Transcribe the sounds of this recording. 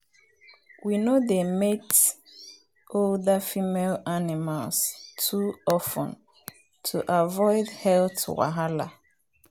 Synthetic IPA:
winodemet | oldafimelanɪmalstʰuɔfɔ̰̃n | tʰuʔavɔɪdhɛltwa̰ɦala̰

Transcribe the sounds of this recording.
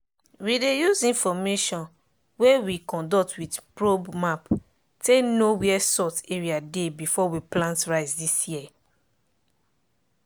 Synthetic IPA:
widejuzĩnfɔmeʃɔ̃n | wewikɔ̃ndɔtwidpɹobmap | tenowiɛsɔteɹiadebifɔwiplãntɹaɪsdisjiɛ

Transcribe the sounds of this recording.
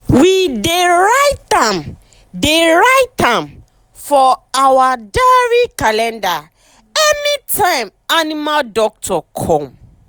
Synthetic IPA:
wideɹaɪt̚ãm | deɹaɪtãm | fɔawadaɹikalɛ̃nda | ɛnitʰãɪ̃manimadɔk̚tʰɔkʰɔ̃m

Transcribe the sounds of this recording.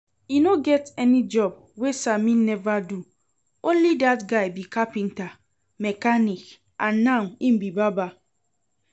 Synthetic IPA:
inoɡɛtɛnid͡ʒɔb̚ | wesamĩnːɛvadu | õnlidatɡaɪbikapĩnta | mɛkanik | ʔãnːãĩmbibaba

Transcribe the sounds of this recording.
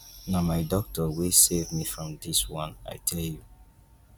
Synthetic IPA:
namaɪdɔk̚tɔwesevmifɹɔ̃mdiswɔ̃na̰ɪtʰɛlju

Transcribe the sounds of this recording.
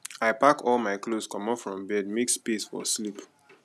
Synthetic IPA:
aɪpakɔlmaɪkloskɔ̃mɔfɹɔ̃mbɛdmekspesfɔ̰slip

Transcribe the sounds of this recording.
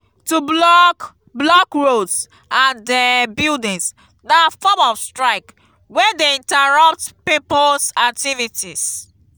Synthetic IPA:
tublɔk | blɔkɹods | ãndɛbildĩŋs | nafɔmɔfstɹaɪk | wɛdeĩntaɹʌp̚tpipolsak̚tivitis

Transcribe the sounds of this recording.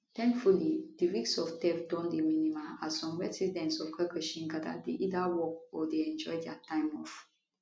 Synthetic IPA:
t̪ɛ̃ŋkfulid̥iɹiksɔftɛfdɔ̃ndeminimaasɔ̃mɹɛsidɛ̃ntsɔfkʰəkəʃĩnɡada̰deʔidawɔk̚ɔdeɛ̃nd͡ʒɔjdɛatãɪ̃mɔ̰f

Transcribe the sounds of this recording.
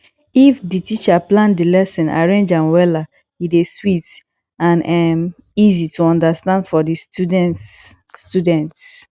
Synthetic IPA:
ifditit͡ʃaplãndilɛsɛ̃na̰ɹẽnd͡ʒãnwɛla | ideswit | ãnam | izituɔ̃ndastãndfɔdi | studɛ̃nts

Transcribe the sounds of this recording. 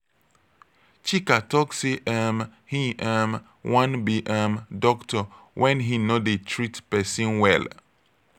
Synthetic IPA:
t͡ʃikatɔkseʔɛmhiʔɛm | wʔãnbiʔɛmdɔktɔ | wʔɛ̃nɦinodetʰɹitpɛsĩnwɛl

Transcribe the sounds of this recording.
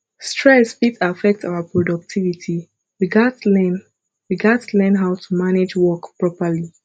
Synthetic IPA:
stʰɹɛsbitafɛk̚tʰa̰ʊapʰɹɔdɔk̚tʰivitʰi | wiɡatlɛn | wiɡatlɛ̃nɦaʊtʰumaned͡ʒwɔkpɹɔpəli

